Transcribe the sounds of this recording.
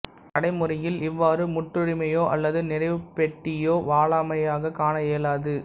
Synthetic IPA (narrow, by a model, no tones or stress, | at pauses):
ʔɐɽɐɪmʊrɐjɪlɪʋːaːɾɯmʊʈːrɯɾɪmɐjoːʔɐlːɐðɯnɪrɐɪʋɯpɛʈːɪjoːʋaːɭaːmɐjaːɣɐkaːnɐjeːlaːðɯ